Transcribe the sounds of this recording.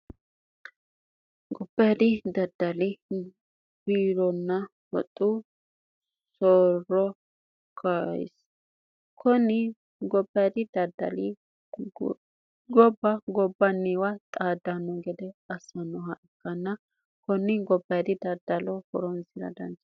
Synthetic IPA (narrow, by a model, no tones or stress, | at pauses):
ɡɔbːɐjd̪ɪd̪ɐd̪̥ːɐlɪ | b̥iːɾɔnːɐ | wɔ̰t̪ʼːu | sɔɾɔ | kʰajɪ̰s | kʰɔnɪ | ɡɔbːɐjd̪ɪd̪ɐd̪ɐ̰li | ɡɔbːɐɡɔbːɐnːiwɐt̪ʼaːd̪ːɐnːɔɡɛd̪ɛɐsːɐnːɔɦɐʔɛkːɐnːɐ | kɔnːɪɡɔbːɐjd̪ɪd̪ɐd̪ːɐlɔhɔɾɔnsɪɾɐ̰d̪ɐ̰nt͡ʃː